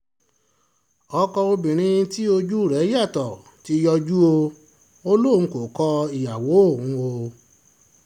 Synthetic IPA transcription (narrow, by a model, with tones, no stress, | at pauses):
ɔ˧kɔ˧o˧bĩ˨ɾ̃ĩ˧˦ti˦o˧d͡ʒu˦˨ɾɛ˨˦ja˦˨tɔ˨ | ti˨˦jɔ˧d͡ʒu˦o˧ | o˦lõ˦˨˦ko˨kɔ˧i˨ja˨wo˨˦õ˦˨˦o˧